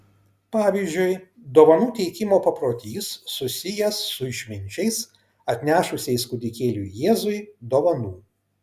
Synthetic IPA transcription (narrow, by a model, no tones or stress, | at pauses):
pɑːʋʲiːzʲd͡ʒʲʊɪ | d̪oːʋɐnuːt̪ʲɛɪkʲɪmoːpɐpɾoːt̪ʲiːsːʊsʲɪjɛsːʊɪʃʲmʲɪnʲt͡ʃʲɛɪs | ɐt̪ʲnʲæːʃʊsʲɛɪskʊd̪ʲɪkʲeːlʲṵjeːzʊɪd̪oːʋɐnuː